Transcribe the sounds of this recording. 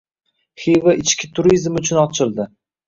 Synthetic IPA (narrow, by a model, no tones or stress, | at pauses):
hivaʔɪt͡ʃkʲɪt̪ʰʊɾizmʊt͡ʃʰʊnɒt͡ʃʰɪlˠd̪ɪ